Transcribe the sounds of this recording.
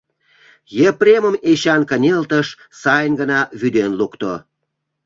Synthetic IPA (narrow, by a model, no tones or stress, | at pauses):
jeprʲeməmeɕɑnkənʲelt̪əʃ | sɑjənɡənɑβyd̪enlukt̪o